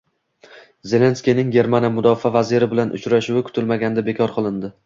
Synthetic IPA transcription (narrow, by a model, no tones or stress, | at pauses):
ze̞le̞nskʲijnɪŋɡʲe̞ɾmanamʊd̪ɒfavaziɾɪbɪlanʔʊ̰t͡ʃɾaʃʊwɪkʰʊ̥t̪ʰɪlmaɡʲand̪abekʰɒɾqʰɨlˠɪnd̪ɪ